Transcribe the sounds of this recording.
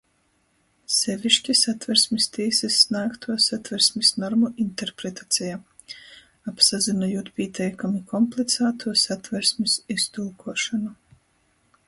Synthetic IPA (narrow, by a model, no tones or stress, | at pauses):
sɛvʲiʃcʲisat̪vɛɾsmʲist̪ʲiːsɛsːnaːkt̪ʰuɔsat̪vɛɾsʲmisnɔɾmuʔint̪eɾpɾet̪at̪sʲija | apsazinajuːt̪pʲiɛt̪ʰɛjkamikɔmplˠit̪saːt̪ʰuɔsat̪vɛɾsmʲisist̪ulˠkuɔʃɔnu